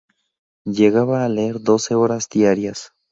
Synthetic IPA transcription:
ʝe̞ɣaβaːleeɾd̪o̞se̞o̞ɾazd̪jaɾjas

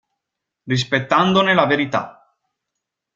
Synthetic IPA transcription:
ris̬pet̪ːand̪onelaveɾit̪a̰

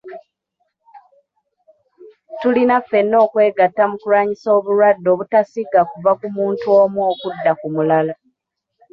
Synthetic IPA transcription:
tulinafːe̞nːo̞ːkwe̞ːɡatːamukuɾaːɲiso̞ːβuɾwadːo̞ːβutasiɡakuvakumuːntuo̞ːmwo̞ːkudːakumulala

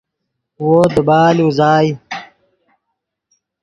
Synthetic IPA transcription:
woːd̪əbaːluzaːj

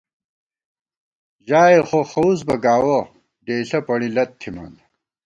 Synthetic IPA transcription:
ʑaːeχoxɐus̬bɐɡaːwo | ɖeːɬɐpɐɽilɐt̪ʰːimɐ̰n

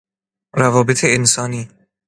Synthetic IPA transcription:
ɾævɒːbet̪ʰeːnsɒːniː

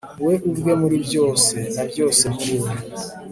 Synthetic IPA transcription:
weʔuvɡwe̞muɾibjo̞ːsenabjo̞ːse̞bjuːɾa

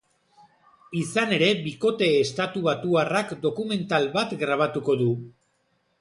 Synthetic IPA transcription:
isane̞ɾe̞βiko̞t̪e̞ːst̪at̪uβ̞at̪uarakd̪o̞kume̞nt̪alβat̪ɡɾaβ̞at̪uko̞ðu

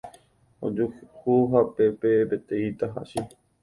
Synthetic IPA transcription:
o̰d͡ʒuhuɦapepebet̪eit̪aɦa̰ʃi

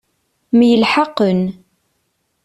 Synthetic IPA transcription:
mjəlħɑqːən

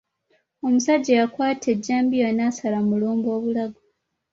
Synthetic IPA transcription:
o̞musaɟːejakwaːtʰe̞ɟːaːmbijanaːsalamuluːmbo̞ːβulaɡo

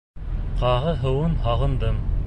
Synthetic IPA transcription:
qɑʁɤɦɤ̆wɤnhɑʁɤ̆nd̪ɤm

